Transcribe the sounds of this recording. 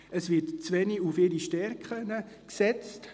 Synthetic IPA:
əsʋɪːtt͡sʋɛniufɪɾiʃtɛɾkχənə | ksɛt͡st

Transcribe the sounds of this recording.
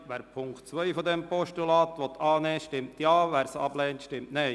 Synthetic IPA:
ʋæːɾpʰʊŋktt͡sʋœʏfɔd̪ɛmpɔʃtulɑːt̪ʋɔt̪ːʰɑːnɛːʃtɪmt̪jɑːʋæːɾsɑ̰b̥lɛːntʃtɪmtnɛɪ

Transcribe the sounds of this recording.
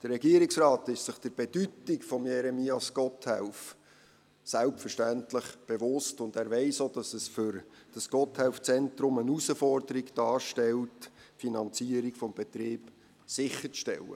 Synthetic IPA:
d̥ərrɛɡiːəɾiksrɑːtɪʃtsɪχd̥əɾb̥ed̥ytikfɔmjɛɾɛmiːɑskɔthɛʊf | sælpfərʃtæntləχb̥evʊstʊndæːɾʋɛɪsod̥ɑsəsfʏɾd̥ɑsɡɔthɛʊft͡sɛntɾʊmənusəfɔrdəɾiɡd̥ɑːɾʃtɛltfinɑnt͡siəɾikfɔmbɛt̪ɾɪːb | sɪχːəɾt͡sʃtɛ̰lə̰

